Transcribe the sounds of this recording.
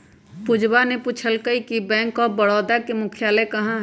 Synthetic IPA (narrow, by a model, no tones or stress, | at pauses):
pʊd͡ʒbanepʊt͡ʃʰəlkəikibɛ̃ːŋkɔːbəɽɔːd̪akemʊkʰɪjaːlekɐɦãɦ